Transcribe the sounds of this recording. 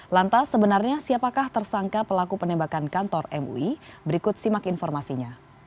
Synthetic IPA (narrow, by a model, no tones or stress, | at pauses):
lant̪asːəbənarɲasiapakaht̪ərsaŋkapəlakupənɛmbakankant̪ɔrɛ̰mṵibəɾikʊt̪̚simakinfɔrmasiɲa